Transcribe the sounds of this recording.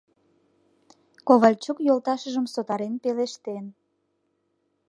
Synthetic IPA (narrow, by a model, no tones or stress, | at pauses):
koβɑlʲt͡ɕokjolt̪ɑʃəʒəmsot̪ɑɾenpeleʃt̪en